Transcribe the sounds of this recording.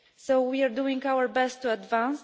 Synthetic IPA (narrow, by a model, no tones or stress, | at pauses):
sowwiaɹduĩŋkawəɹbɛst̪ːuad̪vãns